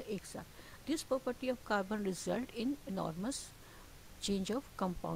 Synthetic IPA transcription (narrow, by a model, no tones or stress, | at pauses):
eːksa̰ːt̪ | d̪ɪspɾɔːpəɾʈiɔʋkaːɾbə̃nɾɪzəlʈɪ̃nenɔ̰ːɾməs | t͡ʃẽːnd͡ʒɔʋkə̃mpã̰ʊ̃